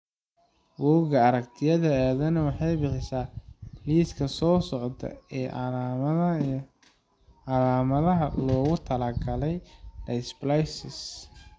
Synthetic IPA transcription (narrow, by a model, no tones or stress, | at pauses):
wuːɡɐɐɾɐkt̪ʰɪjɐðɐaːðɐnɐwɑħɑjbɪħɪsaːliːskʰɐsɔːsɔʕt̪ʰɐ̰ɛː | ɑlaːmɐðɐɦɐ̰lɔːɣʊt̪ʰɐlɐɡɐlɛjdɐsblajsɪs